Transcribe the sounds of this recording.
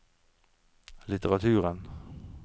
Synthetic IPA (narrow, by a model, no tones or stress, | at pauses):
lɪt̪əʁɑt̪ʰʉːʁən